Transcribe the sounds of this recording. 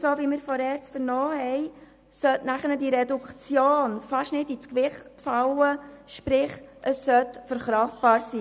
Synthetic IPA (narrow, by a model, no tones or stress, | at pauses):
soːviːmɪɾfɔɾɛːɾt͡sfəɾnɔːhɛɪ | sœtnæχənədiɾɛdukχt͡sjoːnfɑʃnɪdit͡skʋɪχtfawəʃpɾɪχʔəsːœtfəɾχɾɑːftb̥ɑːɾsiː